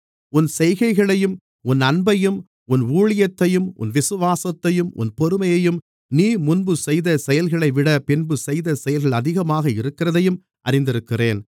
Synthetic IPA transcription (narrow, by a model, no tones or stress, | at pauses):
ʊnsɛjɣɐɪɣɐɭɐjɯm | ʊnɐnbɐjɯm | ʊnuːɻɪjɐt̪ːɐjɯmʊ̰nʋɪsɯʋaːsɐt̪ːɐjɯmʔʊ̰npɔɾɯmɐjɐjɯm | niːmʊnbɯsɛjðɐsɛjɐlɣɐɭɐɪʋɪɽɐpɪnbɯsɛjðɐsɛjɐlɣɐɭɐðɪɣɐmaːɣɐɪɾɯkːɪrɐðɐjɯm | ʔɐ̰ɾɪnd̪ɪɾɯkːɪreːn